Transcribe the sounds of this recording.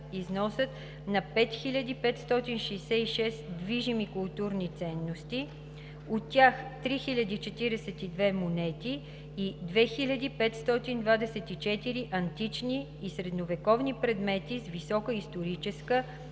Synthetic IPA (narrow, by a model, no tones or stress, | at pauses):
iznɔsət̪ | nɐpɛt̪xilʲɐd̪ipɛt̪st̪ɔt̪inʃɛjsɛiʃɛsd̪viʒimikʊlˠt̪uɾnit̪sɛnːost̪i | ot̪ːʲjaxt̪ɾixilʲəd̪iːt͡ʃɛt̪iɾɛsɛt̪id̪vɛmonɛt̪iː | d̪vɛxilʲəd̪ipɛt̪st̪ɔt̪ind̪vad̪ɛsɛt̪it͡ʃɛt̪iɾiʔɐnt̪it͡ʃniːsɾɛd̪novɛkɔvnipɾɛd̪mɛt̪izvisɔkəist̪oɾit͡ʃɛskə